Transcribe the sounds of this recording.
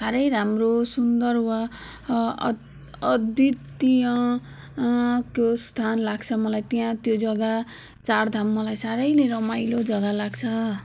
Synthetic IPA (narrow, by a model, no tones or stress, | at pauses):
saɾʌjɾamrosund̪ʌrwa | ʌd̪it̪ːijʌ̃ | kost̪ʰanlaɡt͡sʰʌmʌlajt̪ijãt̪jod͡zʌɡa | t͡sard̪ʱamːʌlajsaɾʌjleɾʌmajlod͡zʌɡalaɡt͡sʰʌ